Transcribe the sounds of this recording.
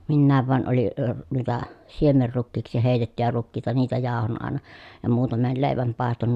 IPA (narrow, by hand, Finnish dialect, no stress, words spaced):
minːæːʋ ʋɑˑen oli əː nuitɑ siemerːukːiːksi heˑi̯tetːyjæ rukːiːtɑ niːtæ jɑˑohon ɑˑenɑ jɑ muːtɑmel leˑiʋæm pɑˑeston